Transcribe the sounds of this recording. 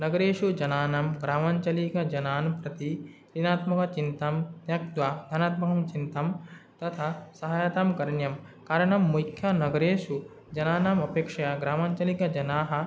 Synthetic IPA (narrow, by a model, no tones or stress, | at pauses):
nɐɡɐɾeːʂud͡ʒɐnaːnɐmɡɾaːmaːɲt͡ʃɐlikɐd͡ʒɐnaːnpɾɐt̪i | ɾinaːt̪mɐkɐt͡ʃint̪ɐmnjɐk̚d̪waːd̪ʱɐnaːt̪mɐɦɐmt͡ʃint̪ɐmt̪ɐt̪ʰasɐɦaːjat̪amkɐɾɐɳjɐm | kaːɾɐɳɐmːukʰjɐnɐɡɐɾeːʂu | d͡ʒɐnaːnɐmɐpeːkʂɐjɐɡɾaːmaːɲt͡ʃɐlikɐd͡ʒɐnaːɦɐ̆